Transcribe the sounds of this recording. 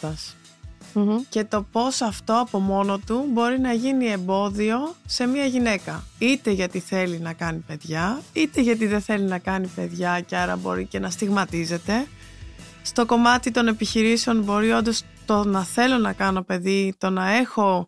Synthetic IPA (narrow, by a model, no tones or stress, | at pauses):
ɐs | ce̞t̪o̞po̞sɐft̪o̞ɐpo̞mo̞no̞t̪ubo̞ɾinɐʝinie̞mbo̞ðio̞se̞miɐʝine̞kɐit̪e̞ʝɐt̪iθe̞linɐkɐnipe̞ðʝɐit̪e̞ʝɐt̪̬iðeθe̞linɐkɐnipe̞ðʝɐceɐɾɐ̰bo̞̰ɾice̞nɐst̪iɣmɐt̪ize̞t̪e̞ | st̪o̞ko̞mɐt̪it̪o̞ne̞piçiɾiseo̞nbo̞ɾio̞nd̪o̞s | t̪o̞nɐθe̞lo̞nɐkɐno̞pe̞ðit̪o̞nɐe̞xo̞